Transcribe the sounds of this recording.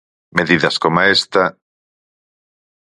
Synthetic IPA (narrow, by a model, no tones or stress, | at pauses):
meðiðɐskomaest̪ɐ